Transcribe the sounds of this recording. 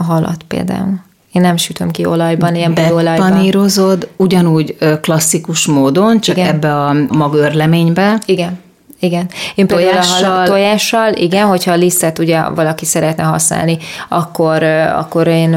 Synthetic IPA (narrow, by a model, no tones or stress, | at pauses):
ɦɒlɒ̰t̪pḛːld̪a̰ːul | eːnːɛmʃyt̪ø̞mkiolɒjbɒneɛmbɛolɒjnniːɾozo̞d̪uɟɒnuːɟøklɒsːikuʃmoːd̪o̞nt͡ʃɒkɡɛbːɛɒmɒɡørlɛmeːɲbɛiɡɛn | iɡɛneːmpeːld̪aulʃɦɒllojaːʃːɒlʔiɡɛnɦo̞chɒːlisːɛt̪uɟɛvɒlɒkisɛɾɛt̪nɛɦɒ̰sna̰ːlniɒkːo̞ɾɒ̰kːo̞ɾeːn